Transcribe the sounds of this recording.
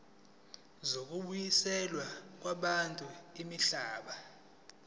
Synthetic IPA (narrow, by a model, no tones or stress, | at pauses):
zok̬ʼuɓujisɛlwak̬ʼwaɓantʼuimiɬaːɓa